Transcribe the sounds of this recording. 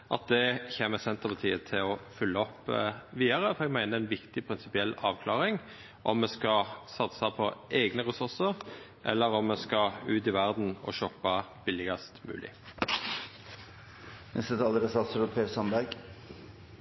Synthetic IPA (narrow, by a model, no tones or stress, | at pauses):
ʔɑt̪̚d̪ɛçeːməsɛnt̪əpɑt̪ʰiːət̪ʰɪlɔfʉlːəɔpːʋiːɑʁəfɔɛɡmæɪnəɛnʋɪkt̪ɪpʰʁɪnsɪpɪɛlːɑːʋkʰlɑːʁɪŋ | ʔɔmːɛskɑsɑt̪sɑpʰɔʔeɡnəʁɛsʉʁsəʁ | ʔɛ̰lːəʁɔmːɛskɑʉːt̪ɪʋæʁd̪n̩ɔ̰ʃɔpːɑb̥ɪlːɪɡɑst̪mʉ̰ːlʔɪ̰ | nʔɛ̰st̪ət̪ʰɑːləɾəsɑt̪sɾʊpʰeːsɑnbæɾɡ